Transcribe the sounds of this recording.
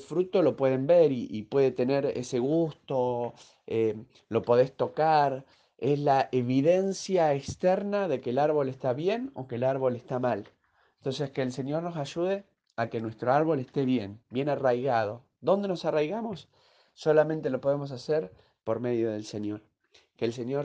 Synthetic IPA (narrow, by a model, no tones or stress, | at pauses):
lfɾut̪o̞lo̞pwe̞ðe̞mbeɾiʔipwe̞ðe̞t̪e̞neɾḛse̞ɣust̪o̞ | e | lo̞po̞ðe̞st̪o̞kaɾ | eslaʔeβiðensjaekst̪ɛɾnaðe̞keːlaɾβo̞lest̪aβjeno̞̰kelaɾβo̞lest̪amal | ent̪o̞nseskeːlse̞njo̞ɾno̞saʒuð̞e | akenwe̞st̪ɾoaɾβo̞lest̪eβjenbje̞narajɣað̞o̞ | ðo̞nd̪e̞no̞sarajɣamosː | o̞lamẽnt̪elo̞po̞ð̞emo̞s̬aseɾ | po̞ɾme̞ð̞jo̞ð̞e̞lse̞njo̞ɾ | keːls̬e̞njo̞ɾ